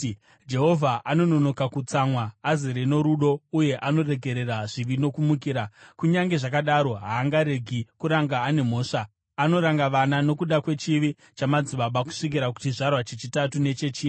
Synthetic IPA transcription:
d͡ʒe̞ɦo̞vʱaʔano̞no̞nokakut͡samwaːzeɾeno̞ɾuɗo̞uje̞ʔano̞re̞ɡʱe̞ɾe̞raʐiʋino̞kumuk̬iːɾakuɲaŋɡe̞ʐak̬aɗaɾo̞ɦaːŋɡaɾe̞ɡʱikuɾaŋɡaːne̞mo̞ːʂaː | no̞ɾaŋɡaʋanano̞kuɗakwe̞t͡ʃiʋi | t͡ʃamad͡ziɓaɓaku̥ʂik̬iɾak̬u̥t͡ʃiʐarwat͡ʃet͡ʃitatune̞t͡ʃe̞t͡ʃiː

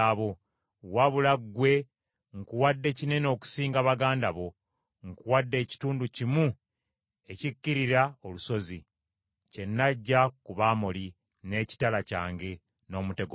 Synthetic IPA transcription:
aβo̞ | waβulaɡwe̞ | ŋkuwadːe̞cine̞no̞ːku̥siːŋɡaβaɡaːndaβo̞ | ŋkuwadːe̞ːci̥tuːnducimu | e̞cikːiɾiɾaoluso̞zi | ce̞nːaɟːakuβaːmoli | ne̞ːci̥talaca̰ːŋɡe̞ | no̞ːmute̞ɡo

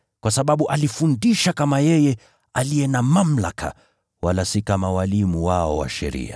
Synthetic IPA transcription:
kwasaɓaɓuʔalifundiʃakamajɛjɛ | alijɛnamam̩la̰kʰa̰ | walasikamawalimuwaɔwa̰ʃɛ̰ɾḭa

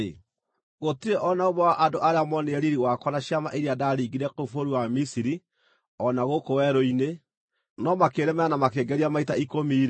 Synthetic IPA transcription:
ɣotiɾeʔɔnaoβɔwaʔadoʔaɾeamɔneɛɾiɾiwakwanaɕjamaʔeɾiadaːɾiːɡiɾɛkofoɾuwamisiɾi | ɔnaɣokowɛɾoine | nɔmakeɾɛmaanamakeːɡɛɾiamaitaikomiːɾ

